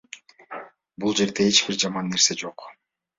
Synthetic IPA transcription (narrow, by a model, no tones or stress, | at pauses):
bulˠd͡ʒe̞ɾd̪e̞et͡ʃbiɾd͡ʒɑmɑnːe̞ɾse̞d͡ʒo̞q